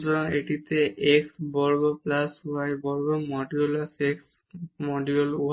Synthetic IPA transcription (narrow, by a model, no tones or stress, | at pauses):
zɔɹɔŋeʈit̪ɛʔeksbɔɹɡɔplasuajbɔɹɡɔmɔɖiɔlaseks | mɔɖiɔluɦ